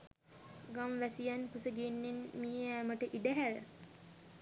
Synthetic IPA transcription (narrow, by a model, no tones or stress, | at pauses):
ɡamʋæsijanpusəɡenːenmiːæməʈəʔiɖəɦæɾə̰